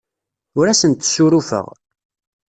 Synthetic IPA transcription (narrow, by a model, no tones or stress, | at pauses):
ʊɾæsənt̪ːsuɾufə̰ʁ